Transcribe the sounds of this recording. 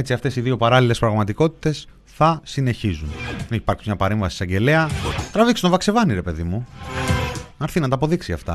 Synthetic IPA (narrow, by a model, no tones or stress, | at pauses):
e̞t͡siɐft̪e̞siðio̞pɐɾɐlile̞spɾɐɣmɐt̪iko̞t̪i̥t̪e̞s | θɐsine̞çizunineçi̥pɐɾksi̥mɲɐpɐɾe̞ɱvɐsi̥sɐɲɟe̞le̞ɐt̪ɾɐvikst̪ovɐkse̞vɐniɾe̞pe̞ðimu | ɐɾθinɐt̪ɐːpo̞ðiksiɐft̪ɐ̰